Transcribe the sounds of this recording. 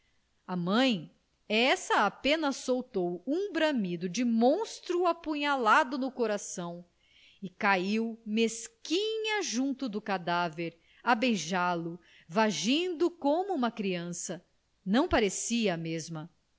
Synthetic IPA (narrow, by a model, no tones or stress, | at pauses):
ɐmɐ̃j̃ | ɛsɐapẽnɐsːowt̪owũbɾɐ̃mid̪ʊd͡ʒɪmõst̪ɾuapũɲalad̪ʊnʊkoɾasɐ̃w̃ | ɪkaiwmeskĩɲɐʒũnt̪ʊd̪ʊkad̪aveɾ | abejʒalʊ | vaʒĩnd̪ʊkõmʊũmɐkɾiɐ̃sɐ | nɐ̃w̃paɾesiɐːmezmɐ